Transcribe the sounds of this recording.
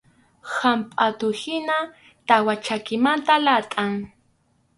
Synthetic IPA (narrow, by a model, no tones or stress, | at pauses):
hampʼat̪ʊhɪna | t̪awat͡ʃakɪmant̪alat̪ʼaŋ